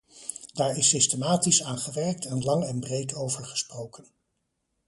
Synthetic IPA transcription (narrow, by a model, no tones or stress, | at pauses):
d̥aːɹɪsɪstəmaːtisaːnχəʋɛɹk̚tɛnlɑŋɛnbrejtʰowvəɹχə̥sprowkən